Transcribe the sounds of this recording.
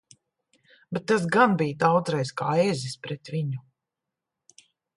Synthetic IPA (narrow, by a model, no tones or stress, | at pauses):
bɛt̪ːas̬ɡanbijd̪awd̪zɾɛjzkaːezispɾɛt̪vʲiɲu